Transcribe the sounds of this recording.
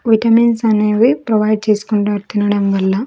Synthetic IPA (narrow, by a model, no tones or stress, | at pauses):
ʋiʈɐminsɐneʋipɾoʋɐjɖ̚t͡ʃeːsu̥kuɳʈuɐɾt̪inɐɽɐmʋɐlːɐ